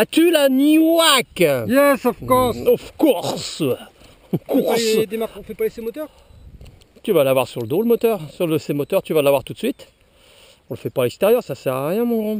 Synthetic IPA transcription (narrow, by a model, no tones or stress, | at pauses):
at̪ylaniwakjɛsɔfkɔsɔfkuʁs | kuʁsd̪emaʁkɔ̃fɛpalesemɔt̪œʁ | t̪yvalavwaʁsyʁləd̪oləmɔt̪œʁsyʁləsemɔt̪œʁt̪yvalavwaʁt̪ut̪sɥit̪ | ɔ̃ləfɛpalɛkst̪eʁjœʁsasɛʁaʁjɛ̃mɔ̃